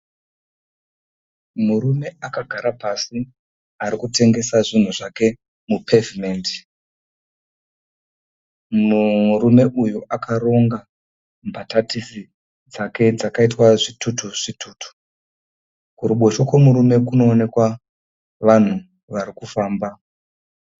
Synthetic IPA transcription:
muɾume̞akaɡʱaɾapasi | aɾikute̞ŋɡe̞saʐin̤uʐake̞ | mupʰe̞vimeːndi̥ | ɾume̞ʔujuʔakʰaro̞ŋɡa | mbatatisi | d͡zake̞d͡zakaitwaʐitʰutuʐ̥itʰuːtu̥ | kuɾuɓo̞ʃokwemuɾume̞kuno̞ːne̞kwa | ʋan̤u | ʋaɾikufaːmba

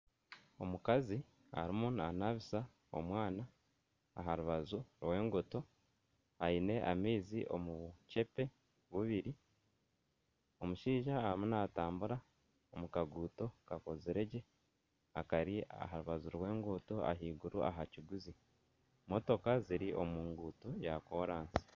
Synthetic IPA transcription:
o̞mukazi | a̰ɾimunanaβisa | o̞̰mwaːna̰ː | ɦaɾuβazuɾwe̞ːŋɡoto̞ | aine̞ʔamiːziʔo̞̰muce̞pe̞ | βuβiɾi | o̞muʃiːʒaːimunaːtaːmbuɾa | omukaɡuːto̞kako̞ziɾe̞ɟe̞ | a̰kaɾia̰ɦaɾuβazuɾwe̞ːŋɡoto̞a̰ɦiːɡuɾua̰ɦaciɡuzi | mo̞to̞kaziɾiʔo̞muːŋɡuːtojako̞ɾaːnsi̥

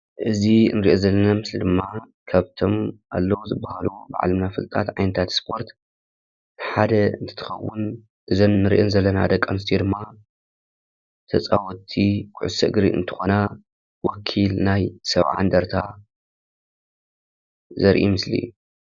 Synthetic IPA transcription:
ʔɨzinɨɾiʔozɐlːɐnamɨslid̪ɨmːa | kʰaβt̪ʰo̞mʔalːɐwzɨbːahaluba̰ʕa̰lɨmnafɨlt̪ʼa̰t̪ʕajnɐt̪ʰat̪spʰo̞ɾt̪ | ħad̪ɐɨnt̪ʰɨ̥t̪ʰɨ̥xɐ̰wːʊn | ʔɨzɐmːɨɾiʔɛnzɐlːɐnad̪ɐkʼːɐmɨs̬t̪ʰed̪ɨmːa | t̪ʰɐt͡sʼa̰wɔt̪ʰːikʰʊʕʊsɨɡɾiɨ̰nt̪ʰɨ̥xona | wɔkʰːilnajsɐβʕa̰nd̪ɐɾt̪ʰa | zɐɾʔḭmɨslḭ

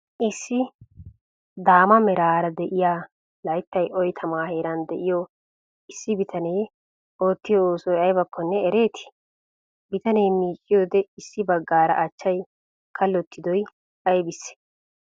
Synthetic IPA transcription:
ʔɪsːɪ | d̪aːmɐmɛɾaːɾɐd̪ɛʔɪjaː | lɐjt̪ːɐjʔɔjt̪ʰɐmaːhe̞ːɾɐnd̪ɛʔɪjɔ | ɪsːɪbɪt̪ʰɐneː | o̞ːt̪ːɪjɔoːsɔjɐjbɐkʰːɔnːɛɛɾe̞ːt̪ʰɪ̥ | bɪt̪ɐne̞ːmiːt͡ʃʼːɪjoːd̪ɛɪsːɪbɐɡːaːɾɐ̰ʔɐt͡ʃːɐj | kʰɐlːɔt̪ːɪd̪ɔj | ɐjbɪsːɪ̥

